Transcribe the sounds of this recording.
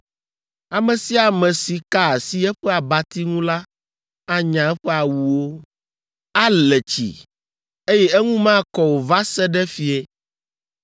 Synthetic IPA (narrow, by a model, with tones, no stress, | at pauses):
a˨mɛ̃˨si˦a˨mɛ̃˨si˨ka˦˨si˦ɛ˦ɸɛ˦a˨ba˨t̪i˦ŋũ˦la˦ | a˦ɲã˨ɛ˦ɸɛ˦a˨wu˨wo˦ | a˦lɛ˨t͡ɕḭ˨ | e˦jɛ˦ɛ˦ŋũ˦mã˦kɔ˨wo˨va˦sɛ˦ɖɛ˦fi˨ɛ˦